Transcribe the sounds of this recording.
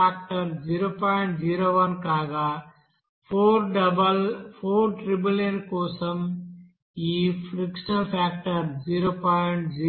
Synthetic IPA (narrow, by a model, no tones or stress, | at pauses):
aːk̚ʈəɾziːɾoːpɔːɪɳʈziːɾoːʋɐnkaːɡaː | pʰoːɾɖɐbəlpʰoːɾʈɾɪbilenkoːsɐm | iːfɾɪkʃənɐlpʰɛːk̚ʈəɾziːɾoːpaɪɳʈzi